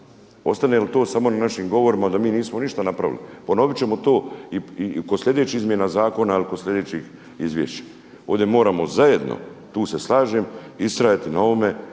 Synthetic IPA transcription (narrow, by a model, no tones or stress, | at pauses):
o̞st̪anelit̪o̞ːsamo̞nanaʃimɡo̞ʋo̞ɾimad̪amiːniːsmoniʃt̪anapɾaʋḭlḭpo̞no̞ʋit͡ɕe̞mo̞t̪o̞ːiikod̪slʲʎʲe̞d̪e̞t͡ɕiizmjenazaːko̞nailikod̪slʲʎed̪e̞ːt͡ɕix | izʋjḛʃt͡ɕḁ | o̞ːʋd̪je̞mo̞ːɾamo̞zaje̞d̪no̰t̪uːse̞slˠaːʒemist̪ɾajat̪inao̞ome̞